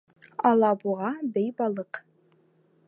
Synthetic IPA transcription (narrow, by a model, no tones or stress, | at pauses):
ɑlˠɑbuʁɑbɘjbɑlˠɤq